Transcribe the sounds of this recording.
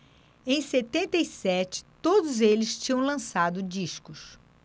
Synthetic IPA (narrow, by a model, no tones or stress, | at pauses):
ẽj̃set̪ẽnt̪ejsɛt͡ʃɪ̥t̪od̪ʊzelɪst͡ʃĩɲɐ̃w̃lɐ̃sad̪ʊd͡ʒiʃkʊs